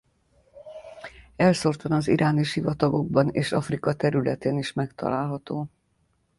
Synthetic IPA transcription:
ɛlso̞rt̪ɒnɒzḭɾʔaːniʃhivɒt̪ɒɡo̞ɡ̚bɒneːʃɒfrikɒt̪ɛɾylɛt̪eːniʃmɛkt̪ɒ̰laːlɦɒt̪oː

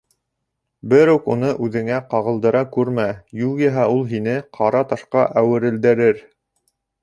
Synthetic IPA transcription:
bɘɾʉkunɤʔʉðɘ̆ŋæqɑʁɤ̆lˠd̪ɤ̆ɾɑkʉɾmæjulˠjɤɦɑulˠɦinɘqʰɑɾɑt̪ɑʃqɑʔæwɘ̆ɾɘ̆ld̪ɘ̆ɾɘɾ

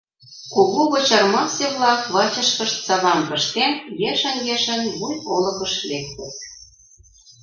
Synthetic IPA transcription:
koɣoɣŏt͡ɕɑrmɑseβlˠɑkβɑt͡ɕə̆ʃkə̆ʃt̪sɑβɑmpə̆ʃt̪enjeʃə̆njeʃə̆nβujolɤ̆kə̆ʃlek̚t̪ə̆t̪̚

